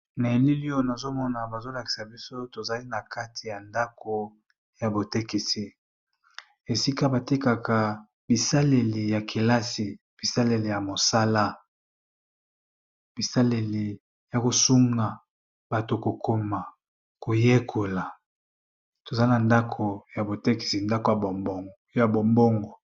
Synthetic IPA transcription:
na˨e˨li˦li˦jo˦na˨zo˦mɔ˦na˨ba˨zo˦la˨ki̥˨sa˨bi˦so˦to˨za˦li˦na˨ka˦tʰi˨ja˨nda˦ko˨ | ja˨bo˨te˦ki˨si˦ | e˨si˦ka˦ba˨ti˦ka˨ka˨ | bi˨sa˦le˨le˨ja˨kʰe˨la˦si˨ | b̥i˨sa˦le˨le˨ja˨mo˨sa˦la˦ | b̥i˨sa˦le˨lie˨ | ja˨ko˨su˦ŋɡa˨ | b̥a˨to˨ko˨kʰo˦ma˨ | ko˨je˦kʰo˨la˨ | to˨za˦na˨nda˦kʰo˨ja˨bo˨te˦ki̥˨si˨nda˦ko˨˦ | ja˨bo˨mbo˦ŋɡo˨

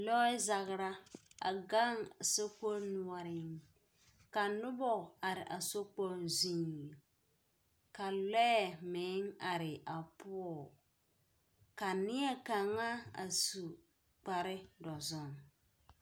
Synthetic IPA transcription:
lɔ˦ɪ˦za˨ɣɾa˦a̰˨ɡa˦ŋso˦ko˦nu˦ɔ˦ɾɪ˨˦˨ŋ | ka˨nʊ˦bɔ˦˨a˨ɾɪ˨ʔa˨so˦k͡po˦nzi˦ŋ˨l | ka˨lɛ˦˨mɪ˨˦ŋa˨ɾɪ˨ʔa˨pʊ˦ɔ˨ | ka˨nɪ˦ɛ˦ka˨ŋa˦a̰˨su˨ | k͡pa˨ɾɪ˦dɔ˨zɔ˦ŋ

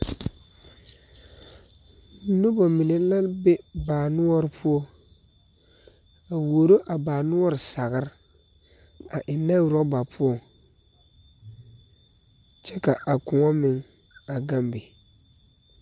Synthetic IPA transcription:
nʊ˦bɔ˨mɪ˨nɛ˨˦la˦lbɛ˦baː˨nʊ˦ɔ˦ɾɪ˨pʰʊ˦ɔ˦ | a˨wo˨o˨ɾo˦ʔa˨baː˨nʊ˦ɔ˦ɾɪ˨sa˨ɣɪ˦ɾɪ˦ | a˨ʔɪ˨na˦˨ɾɔ˦ba˨pʰʊ˦ɔ˦˨ | t͡ʃɛ˦ka˨ʔa˨kʊ˨ŋɔ˦mɪ˨ŋ | a˨ɡa˦mbɛ˨

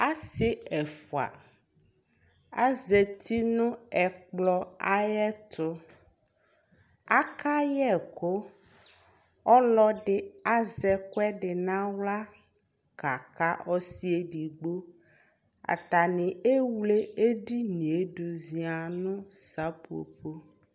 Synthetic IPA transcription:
a˦se˦ɛ˨fo˨a̰˨ | a̰˦ze˨t̪ʰi˦nũ˦ɛ˨k͡plɔ˦a˦jɛ˦t̪ʊ˦ | a˦ka˦jɛ˦˨ko˦ | ɔ˦lɔ˦ɖɪ˨a˦zɛ˨kʊ˦ɛ˦ɖɪ˨nã˦wla˦ | ka˨ka˦ɔ˦si˦e˦ɖi˨ɡ͡bo˦ | a̰˨t̪a˨nĩ˨e˦wle˦e˦ɖi˦nĩ˨e˦ɖo˨zi˨a˨nũ˦sa˦po̰˨pʰo˦

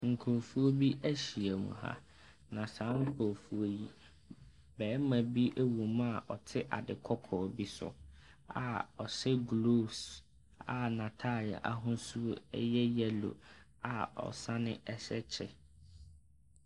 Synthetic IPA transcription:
ŋ̩˨kʰo˨fu˦o˦bi˦ʔæ˦ɕi˨e˨mṵ̃˨ha̰˦ | nã˨sã˨˦ŋ̩˦kʰo˨fu˦o˦ji˦ | bɛː˨˦mã˨bi˦ʔe˦wũ˨m˦a˨ʔɔ˨tʰɪ˦ʔa̰˨dɪ˨kʰɔ˦kʰɔː˨bi˦sʊ̰˨ | a̰˨ɔ˨sɛ˦ɡloː˦s | a̰˨nã˨tʰa˦˨la̰˨ʔa˦ɦʊ̃˦su˦ɛ̰˦jɛ˦jɛ˦lo̰˨ | a˨ɔ̰˨sa˦nɪ̃˦ʔɛ˦sɛ˦t͡ɕʰɪ̰˦˨

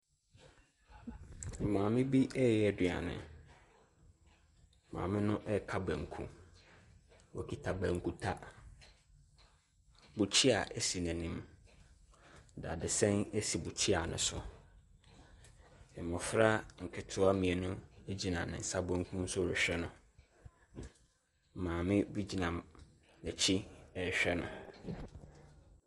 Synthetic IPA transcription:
mãː˨mɪ̃˦bi˦ɛ˦jɛ˦˨dɪ˨a̰˨nɪ̰̃˨ | mã̰ː˨mɪ̃˦nʊ̃˦ʔɛ˦kʰa˦bæ̃˨ŋ˨kʰṵ̃˦ | wɔ˨kʰi˨tʰa˨bæ̃˨ŋ˨kʰu˦tʰa˦ | bʊ˨t͡ɕʰi˦a˨ʔɛ˦si˨næ̃˨nĩ˦m | da̰˨dɪ˨sɛ̃˦ne˦si˨bu˨t͡ɕʰi˦a˨nʊ̰̃˨sʊ˨ | ɛ˨mʊ̃˨fɾa˦ŋ̩˨kʰɪ˨tʰʊ˦a˦mĩ˨ɛ˨nʊ̃˦e˦d͡ʑi˨nã̰˨nɪ̰̃˨n̩˨sa˦bõ˦ŋ˦kʰũ˦n̩˦sʊ˦˨ɾʊ˨ɕᶣɛ˦nʊ̃˨ | mãː˨mɪ̃˦bu˦d͡ʑi˨nã˨m | nɛ˨t͡ɕʰi˦ɛ˦ɕᶣɛ˦nʊ̰̃˨

